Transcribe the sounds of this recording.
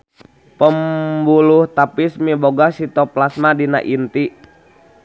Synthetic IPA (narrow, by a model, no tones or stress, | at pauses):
pəmbuluht̪apismiboɡasit̪ɔplasmadina̰ʔint̪i